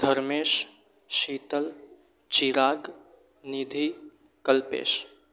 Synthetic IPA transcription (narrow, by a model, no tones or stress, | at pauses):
d̪ʱəɾmeːʃ | ʃiːt̪əl | t͡ʃiɾaːɡ | nid̪ʱi | kəlpḛːʃ